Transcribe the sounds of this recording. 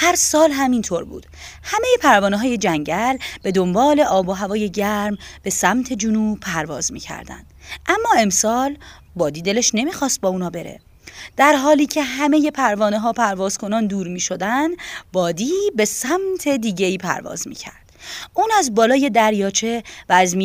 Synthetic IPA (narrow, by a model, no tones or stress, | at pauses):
hæɾsɒːlɦæmint̪ʰoɾbṵːd̪̥hæme̞je̞pʰæɾvɒːneɦɒːje̞d͡ʒæɲɟælb̥e̞d̪o̞mbɒːle̞ʔɒːboɦævɒːje̞ɟæɾmb̥e̞sæmt̪ʰe̞d͡ʒunuːpʰæɾvɒ̰ːzmḭːcʰæ̰ɾd̪æ̰nd̪̥ʔæmːɒːe̞msɒːl | bɒːd̪iːd̪e̞leʃne̞miːxɒːst̪̚bɒːuːnɒːbe̞ɾḛ | d̪̥æɾɦɒːliːcʰe̞ɦæme̞je̞pʰæɾvɒːneɦɒːpʰæɾvɒːz̥kʰo̞nɒːnd̪uːɾmiːʃo̞d̪ænd̪bɒːd̪iːbe̞sæmt̪ʰe̞d̪iːɟe̞iːpʰæ̰ɾvɒ̰ːzmḭːcʰæ̰ɾd̪̥ʔuːnæzbɒːlɒːje̞d̪æɾjɒːt͡ʃʰe̞væːzmi